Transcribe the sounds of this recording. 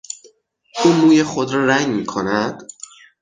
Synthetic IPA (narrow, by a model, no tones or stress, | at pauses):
ʔuːnuːjexod̪ɾɒːɾæŋmiːkʰonæd̪̥